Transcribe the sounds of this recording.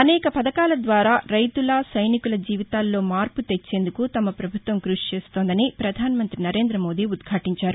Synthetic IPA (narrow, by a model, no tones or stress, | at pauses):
ɐnɛːkɐpɐd̪ɐkaːlɐd̪ʋaːɾaːɾɐjt̪ulɐsɐjnikulɐd͡ʒiːʋit̪aːlːo̞ːmaːɾput̪et͡ʃːe̞ːnd̪ukut̪ɐmɐpɾɐbʱut̪ʋɐmkɾuʂt͡ʃe̞ːst̪o̞ːnd̪ɐnipɾɐd̪ʱaːnɐmɐnt̪ɾinɐɾe̞ːnd̪ɾɐmo̞ːd̪iːud̪ɡʰʱaːʈiɲt͡ʃaːɾu